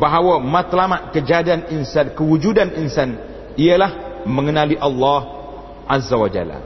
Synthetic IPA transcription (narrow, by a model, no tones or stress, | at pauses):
baɦawəmat̪lamat̪̚kəd͡ʒadianinsankəwud͡ʒudaninsan | iəlahməŋənaliʔalːɑh | ʔazawad͡ʒa̰la̰